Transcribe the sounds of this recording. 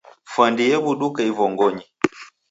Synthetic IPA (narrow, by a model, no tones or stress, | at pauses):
fandijɛβuɗukaivɔŋɡɔɲi